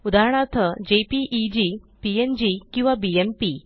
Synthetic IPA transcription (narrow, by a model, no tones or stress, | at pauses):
ud̪aɾəɳ̃at̪ʰəd͡ʑepiʔːd͡ʑi | piend͡ʑikĩw̃ʋabiempi